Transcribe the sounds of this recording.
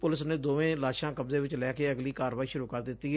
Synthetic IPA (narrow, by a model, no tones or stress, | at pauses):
pʊlɪsnẽːd̪oːʋẽːlaːʃãːkəbzeːʋɪt͡ʃlɛːkeːəɡliːkaːɾʋaːiːʃʊɾuːkəɾd̪ɪt̪ːiːɦ